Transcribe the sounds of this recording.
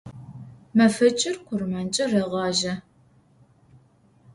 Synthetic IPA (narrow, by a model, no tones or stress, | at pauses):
mɐfɐt͡ʃʼɪrqʷʊrmɐnt͡ʃʼɐrɐʁɑːʒɐ